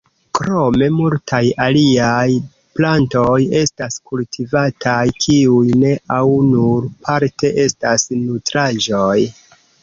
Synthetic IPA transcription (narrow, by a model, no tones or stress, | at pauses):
kɾo̞me̞multʰajaliaj | plantoje̞staskultʰivatʰajkʰiujne̞ʔawnuɾpʰaɾte̞ʔe̞stasnutɾaʒoj